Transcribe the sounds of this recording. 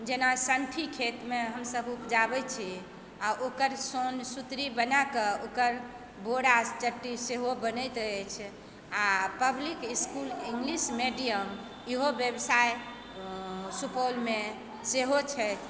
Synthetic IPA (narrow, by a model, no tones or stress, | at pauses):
d͡ʒenasəɳʈʰikʰet̪meɦəmsəbupd͡ʒabɛt͡ʃʰi | aʔokəɾsonsut̪ɾibənakəokəɾ | boɽast͡ʃəʈːiseɦobənət̪ɛt͡ʃʰ | apəblikiskuliŋɡlismeɖijəm | iɦobjəbsaj | supolme | seɦot͡ʃʰɛ